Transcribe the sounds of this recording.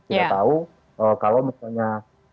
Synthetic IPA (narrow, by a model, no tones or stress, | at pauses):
iat̪au | əkalowmisalɲa